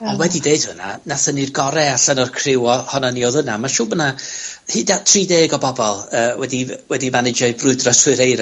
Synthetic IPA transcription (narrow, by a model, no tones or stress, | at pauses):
ɔnwɛdideɨd̥hʊna̰naθənirɡɔɾɛaɬənɔrkʰrɪwɔhɔnanioðənamaʃʊːbənahɨːdatʰriːdeːɡɔbɔbɔlˠəːwɛdiwɛdimanɪd͡ʒɔɨbrʊɨdrɔswɨɾejɾ